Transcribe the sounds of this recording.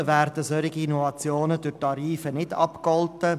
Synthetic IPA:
ʋæːɾdəsœɾɪɡiinɔvɑt͡sjoːnəd̥øɾtɑɾiːfənɪdɑ̰pkɔltə

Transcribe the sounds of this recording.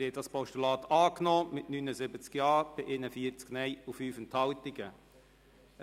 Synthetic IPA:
hɛdɑspɔʃtulɑːt̪ʰɑːknɔːmɪtnynəzɪbət͡skjɑːɾb̥ɪʔɪnəfiəɾt͡sknɛjufyːfənthɑlt̪ɪɡə

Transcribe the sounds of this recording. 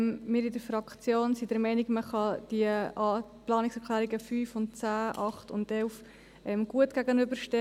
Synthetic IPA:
mmɪɾɪdəɾfɾɑkt͡sjoːnsidɛɾmɛɪnɪɡməχɑd̥iəɑplɑːnɪksɛkʰlæːɾiɡəfyːfʊnt̚t͡sæːʔɑχtʊ̰ndɛlf | ʔɛmɡ̥uətɡ̥æɡənʏbəɾʃtɛ

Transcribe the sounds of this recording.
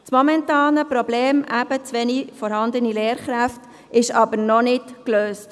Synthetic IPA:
t͡smɔmɛntɑːnəpɾɔbleːmʔæb̥ət͡sʋɛnifɔɾhɑnd̪ənileːɾχɾæft | ɪʃɑbəɾnɔnɪtkløːst

